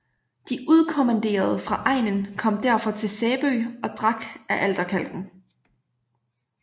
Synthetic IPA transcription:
d̥iʔuð̞ˠkʰo̝mænd̥e̝̰ːɐð̞ˠəfʁɑ̈ʔɑ̈ɪnənkʰɒ̽m̰d̥æɐ̰fɒ̽t͡sʰe̝lsɛːb̥øːɒ̽d̥ʁɑ̈ɡ̥æʔæld̥ɐkʰæl̰ɡ̥n̩

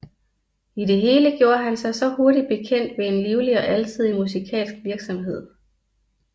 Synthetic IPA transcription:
ide̝ɦe̝ːləɡ̥jo̝ːɐɦænsɑ̈ɪsɒ̽ho̝ɐɾid̥̚b̥e̝kʰen̰d̥ʋe̝enliːʊliɒ̽ʔælt͡sʰið̞̰ˠimusikʰɛ̰ːlsɡ̥ʋiɐɡ̥sɒ̽mɦe̝ð̞̰ˠ

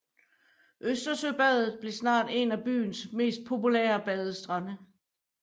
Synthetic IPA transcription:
ʔøsd̥ɐsøb̥ɛðˠð̩ˠb̥le̝snɑ̰̈ːd̥e̝næb̥y̰ːnsme̝̰ːsd̥̚pʰo̝pulḛːɐb̥ɛð̞ˠəsd̥ʁɑnə

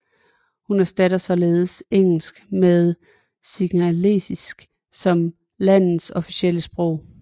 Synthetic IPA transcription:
hunæɐsd̥æɾ̥ɐsɒ̽le̝ːð̞ˠəseŋ̰l̩sɡ̥meðˠ | siɡ̥ælesisɡ̥ | sɒ̽m | læn̰ð̩ˠsɒ̽fisiel̰əsb̥ʁɔ̽ʊ̰

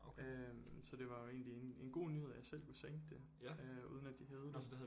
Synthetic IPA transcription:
oømsɒ̽d̥e̝ʋɑ̈joe̝̰ːnliene̝nɡ̥o̝̰ːnyhe̝ð̞̰ˠjɑ̈ɪsel̰kʰuseŋ̰ɡ̥̚d̥e̝ | øṵːðˠn̩æd̥iɦæð̞ˠəd̥sd̥ehæð

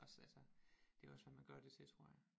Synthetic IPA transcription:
ʔɒ̽sælsəd̥e̝æɒ̽sʋæmænɡ̥ɶɐd̥e̝t͡sʰe̝lt͡sʰʁo̝ɐ̰ja

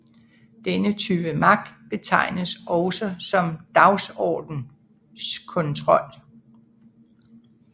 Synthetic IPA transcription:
d̥enət͡sʰyːb̥əmɑ̈ɡ̥̚d̥b̥e̝t͡sʰɑ̈ɪ̰nəsʔɒ̽ʊsəsɒ̽md̥ɑ̈ʊsɒ̰ːd̥n̩ | skʰɔ̽nt͡sʰʁɒ̽l̰

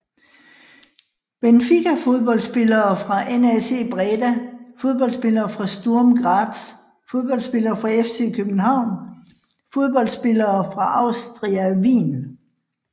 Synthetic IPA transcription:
b̥enfiɡæfo̝ð̞ˠb̥ɒ̽l̰d̥sb̥e̝lɐːfʁɑ̈ʔenæse̝̰ːb̥ʁɛːd̥æfo̝ð̞ˠb̥ɒ̽ld̥sb̥e̝lɐːfʁɑ̈sd̥oɐmɡ̥ʁɑ̈ːd̥s | fo̝ð̞ˠb̥ɒ̽ld̥sb̥e̝lɐːfʁɑ̈efse̝̰ːkʰøb̥n̩hɑ̈ʊ̰n | fo̝ð̞ˠb̥ɒ̽l̰d̥sb̥e̝lɐːfʁɑ̈ʔɑ̈ʊsd̥ʁiæʋḭːn

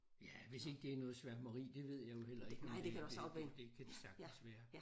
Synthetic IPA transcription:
jæʋe̝se̝ɡ̥əd̥e̝æɐnɔːð̩ˠsʋæɐ̰mɑʁḭːd̥e̝ʋe̝ð̞̰ˠjɑ̈ɪjo̝hel̰ɐeɡ̥nd̥ekʰæd̥u̥ed̥e̝kʰæd̥esæɐɡ̥̚nsʋæːɐ

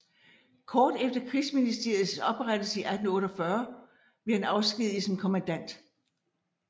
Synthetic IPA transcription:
kʰɒːd̥efd̥ɐkʰʁisminisd̥e̝ɐj̩ˠsɒ̽b̥ʁad̥əsiʔæd̥n̩ɔ̽ːɾ̥ɒfɶɐ | b̥e̝æenɑ̈ʊsɡ̥ið̰ˠisɒ̽mkʰo̝mænd̥æn̰d̥

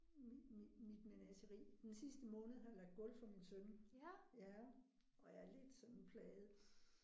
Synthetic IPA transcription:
miimid̥mænæsəʁḭːd̥ensisd̥əmɔ̽ːnəð̩ˠhɑ̈jɑ̈lɑ̈ɡ̥̚d̥ɡ̥ɔ̽lfɒ̽minsønjæ | ɒ̽jɑ̈ɐle̝d̥sɒ̽nn̩pʰlɛːð̩ˠ

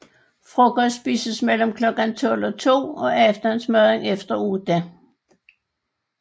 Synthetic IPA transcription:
fʁɔkɒsb̥ḭːsəsmel̰m̩kʰlɒ̽ɡ̥ænt͡sʰɔ̽l̰ɒ̽t͡sʰo̝̰ːɒ̽efd̥ɐnsmøeŋefd̥ɐud̥æ

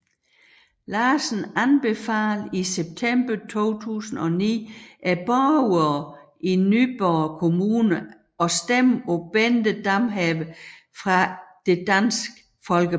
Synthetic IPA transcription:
lɑːsn̩ænb̥e̝fæːliseb̥̚t͡sʰemb̥ɐt͡sʰo̝̰ːt͡sʰṵːsn̩ɒ̽nḭːʔæb̥ɒuɐʔinyb̥ɒːkʰo̝muːnə | ɒ̽sd̥emob̥end̥əd̥ɑmɦɛʋə | fʁɑ̈d̥e̝d̥ænsɡ̥ə | fɒ̽lɡ̥ə

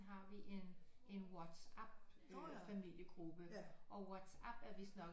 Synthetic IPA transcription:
ɦɑ̈ʋiʔe̝n | e̝nwɒd̥sæb̥̚d̥efæmil̰jəɡ̥ʁub̥əʔɒ̽wɒd̥sæb̥æɐʋe̝sd̥nɒ̽ɡ

